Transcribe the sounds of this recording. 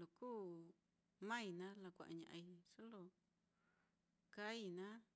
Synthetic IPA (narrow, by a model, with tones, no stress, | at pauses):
lo˨kuː˦ | mã˦i˧nã˦la˧kʷa̰˨ʔa̰˨ɲã̰˨ʔa˧i˧ʂo˦lo˧ | ka˦i˧nã˦